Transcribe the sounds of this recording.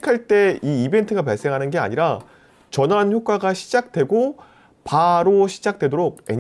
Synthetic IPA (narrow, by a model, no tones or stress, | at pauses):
kʰaɭt͈e̞iibe̞ntʰɯɡapaɭs͈e̞ŋɦanɯnɡe̞a̰ɲiɾa | t͡ɕʌnançjok̚k͈aɡaɕʰid͡ʑak̚t͈we̞ɡo | paɾoɕʰid͡ʑak̚t͈we̞doɾoɡ̚e̞̰ɲ